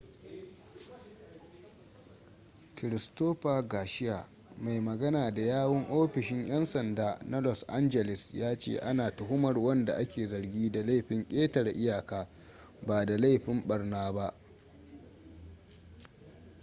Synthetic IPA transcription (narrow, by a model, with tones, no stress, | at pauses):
kɪ˨ɾɪ˨stoː˦ɸaː˨ɡaː˨ʃɪ˦jaː˨ | ma˨jmɐ˨ɡɐ˦naː˨da˨jaː˦wɐ˦ŋʔoː˦ɸɪ˨ʃɪ˦ɲj̰ɐ˦nsɐ˨ndaː˦nɐ˦lɔ˨sʔa˦nd͡ʒɛ˨lɪ˨sjaː˦t͡ʃḛ˦˨ʔa˦naː˨tʊ˨ɦʊ˦mɐ˨rwɐ˦nda̰˨ʔa˦kʲeː˨zɐ˨rɡʲiː˦da˨la˦jɸɪ˦ŋkʲʼeː˦tɐ˨rʔɪ˦jaː˨kaː˦ | baː˨da˨la˦jɸɪ˦mɓɐ˨rnaː˦ba˦ʔ